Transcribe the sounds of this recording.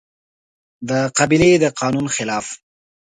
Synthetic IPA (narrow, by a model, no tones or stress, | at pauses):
d̪əqabiled̪əqɑːnunxɪlɑːf